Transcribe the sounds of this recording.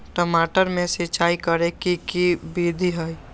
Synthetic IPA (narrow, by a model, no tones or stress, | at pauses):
ʈəmaːʈəɾmẽset͡ʃaːikəɾekikibiːd̪ʱiɦəj